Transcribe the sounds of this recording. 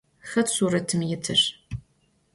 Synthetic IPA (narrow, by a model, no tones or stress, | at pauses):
xɐtsuːɾɐtʰɨmjɪtʰɨr